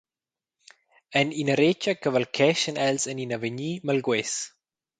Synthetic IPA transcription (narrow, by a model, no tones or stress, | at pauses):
ə̃ninəɾet͡ʃəkəvəlkʰɛʃə̃nɛlzə̃ninavəɲiməlɡwɛs